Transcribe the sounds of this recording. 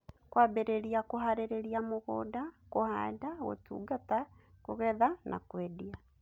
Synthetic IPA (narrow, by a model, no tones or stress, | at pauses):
kwabeɾeɾiakoɦaɾeɾeɾiamoɣo̰ːdakoha̰ːdaɣo̰tṵːɡatakoɣɛðanʔa̰kwɛdia